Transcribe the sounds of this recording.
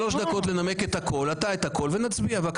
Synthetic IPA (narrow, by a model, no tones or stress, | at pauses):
lo̞ʃd̪ako̞t̪le̞name̞ket̪hakʰo̞lat̪aet̪hako̞lvenat͡sbiavak